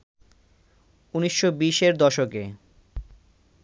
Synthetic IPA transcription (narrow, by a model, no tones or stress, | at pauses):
uniʃːobiʃeɾd̪ɔʃoke